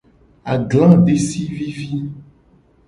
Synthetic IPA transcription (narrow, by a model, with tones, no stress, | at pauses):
a˨ɡlã˦ɖe˦si˦vi˦vi˦